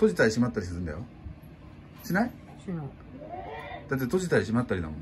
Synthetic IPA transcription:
t̪o̞ʑit̪aɾʲiɕimat̪ːaɾʲis̬ɨɾɯ̃nd̪a̰jo | ɕinai | d̪̥at̪̬ːet̪o̞ʑit̪aɾʲiɕ̬imat̪ːaɾʲina̰mon

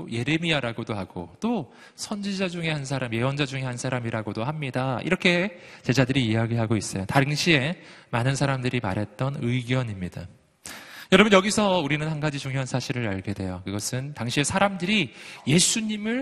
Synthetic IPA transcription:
je̞ɾe̞miaɾaɡodoɦaɡ̥o̰t͈o | sʰʌnd͡ʑid͡ʑad͡ʑuŋe̞hans̬ʰaɾamje̞wʌnd͡ʑad͡ʑuŋe̞ɦansʰaɾamiɾaɡodohamɲidaḭɾʌkʰe̞t͡ɕe̞d͡ʑadɯɾiːaɡiɦaɡois͈ʌjotaŋɕʰie̞manɯnsʰaɾamdɯɾima̰ɾɦe̞t̚t͈ʌnɯjɡjʌnimɲida | jʌɾʌbʌnjʌɡisʰʌuɾinɯnhanɡad͡ʑit͡ɕuŋjoɦansʰaɕʰiɾɯɾaɭɡe̞dwe̞jokɯɡʌsʰɯntaŋɕʰie̞sʰaɾamdɯɾije̞sʰuɲimɯɭ

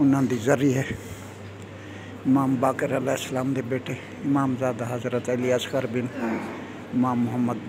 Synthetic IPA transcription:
unːənd̪izɐɾiɦe | imaːmbaːkeɾəlaɪslaːmd̪ebeʈʰe | imaːmzaːd̪aɦɐzɾət̪əlijaskəɾbin | ɪmaːmːʊɦəmːəd̪

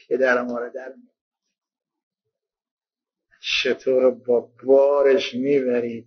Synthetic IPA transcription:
pʰed̪æɾmɔːɾɛd̪æɾmi | t͡ʃʰet̪ʰoːɾbɔːbɒːɾeʃmibæɾiːd̪̚

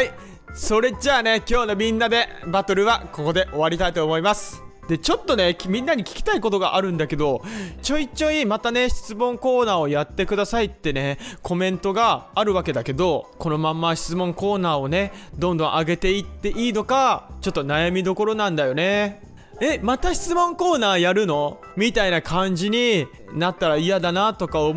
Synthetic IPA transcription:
hai | so̞ɾe̞d͡ʑaːne̞kʲo̞ːno̞mʲĩnːad̪e̞bat̪o̞ɾɯ̟βako̞ko̞d̪e̞ʔo̞βaɾʲit̪ait̪oːmo̞imasɨ̥ | d̪̥e̞t͡ɕo̞t̪ːo̞ne̞mʲĩnːaɲ̟ikʲi̥kʲi̥t̪aiko̞t̪o̞ɡa̰ʔaɾɯ̟̃nd̪ake̞d̪o̞t͡ɕo̞it͡ɕːo̞ɲimat̪ane̞ɕi̥t͡sɨmõŋko̞ːnaːo̞jat̪ːe̞kɯ̟d̪asait̪ːe̞ne̞kʰo̞mẽ̞nt̪o̞ɡaːɾɯ̟βake̞d̪ake̞d̪o̞ko̞no̞mãmːaɕi̥t͡sɨmõ̞ŋko̞ːnaːo̞ne̞d̪õ̞nd̪õ̞ʔaɡe̞t̪e̞it̪ːe̞ʔiːno̞kat͡ɕo̞t̪ːo̞najamʲid̪o̞ko̞ɾo̞nãnd̪ajo̞ne̞ | emat̪aɕi̥t͡sɨmõ̞ŋko̞ːnaːjaɾɯ̟no̞ | mʲit̪ainakʰãɲ̟d͡ʑiɲ̟i | nat̪ːaɾaijad̪anat̪o̞kao

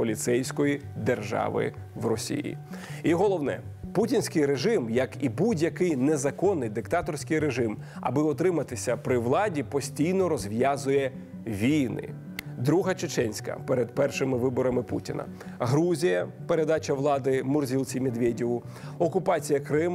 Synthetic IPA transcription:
pɔlʲit̪sɛjsʲkɔjid̪erʒɑ̰ʋɪ̰ʋrɔsʲḭjḭiɦɔlˠɔwnɛ̰putʲinʲsʲkɪjɾeʒɪmjɐkibudʲjɐkɪjnezɐkɔnːɪjd̪ɪkt̪ɑt̪ɔrsʲkɪjɾeʒɪm | ɐ̰bɪɔt̪ɾɪmɐt̪ɪsʲɐpɾɪʋlˠɑdʲipɔsʲtʲijnɔɾɔzʲʋjɑzʊjɛ | ʋʲijnɪ̰ | d̪ɾuɦɐt͡ʃɪt͡ʃɛnʲsʲkɐ̰pɛɾed̪pɛrʃɪmɪʋɪbɔɾɐmɪpṵtʲinɐ̰ɦɾuzʲijɐpeɾed̪ɑt͡ʃɐʋlˠɑd̪ɪmʊrzʲilˠt͡sʲimʲid̪ʋʲedʲiʋʊɔkʊpɑt͡sʲijɐkɾɪm

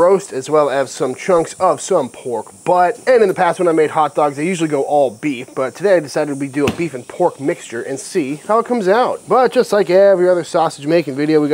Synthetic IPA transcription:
ɹoʊstɨzwɛlˠɨz̥sʌ̃mt͡ʃʰɹ̥ʌ̃ŋksʌv̥sʌ̃mpʰɔɹkb̥ʌɾɨ̃nɨ̃nðɨpʰæst̚wə̃naɪmeɪd̚hɑt̚d̥ɔɡzðeɪjʉʒl̩ˠiɡoʊʔɔlˠbifb̥ʌtʰɨdeɪaɪdɨsaɪɾɨd̚widɨəbifɨ̃n̩pʰɔɹk̚mɪkst͡ʃə˞ʔɨ̃nsihaʊət̚kʰʌ̃mzaʊt̚b̥ʌt̚d̥ʒ̥ʌstˡlaɪkɛvɹiʌðə˞sɔsɨ̥d͡ʒmeɪkɪ̃ŋvɪɾioʊwi

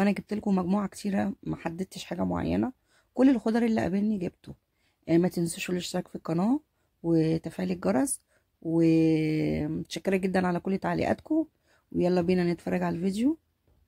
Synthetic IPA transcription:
ʔænæɡeb̚t̪elkomæɡmuːʕakt̪ʰiːɾæmæħad̪ːet̪eʃħaːɡæmo̰ʕa̰jːæ̰næ | kolːelxod̪ˤɑɾˤʔelːiʔæ̰belniɡeb̚t̪o | ʔmæt̪ensoʃolːeʃsˤækfikːɑnɑː | wet̪æfæːlik̚ɡɑɾˤɑz | we | t̪ʃækːeɾæɡed̪ːænʕalækolːt̪aʕlḭʔæ̰ːt̪ko | wejɑlˤːɑbiːnænt̪fɑrˤːɑɡʕalælvid̪jo

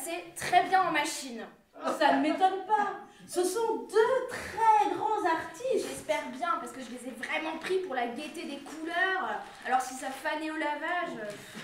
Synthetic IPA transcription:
sɛt̪χɛbjɛ̃ɑ̃maʃin | sanmet̪ɔnpa | səsɔ̃d̪øt̪χɛɡʁɑ̃zaʁt̪iʒɛspɛʁbjɛ̃paʁsə̥kəʒəlezɛvʁɛmɑ̃pχipuʁlaɡʲet̪ed̪ekʰulœːʁ | alɔʁsisafaneolavaʒø

